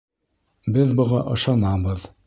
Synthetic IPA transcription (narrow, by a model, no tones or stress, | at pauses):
bɘðbŏʁɑʔɤ̆ʃɑnɑbɤð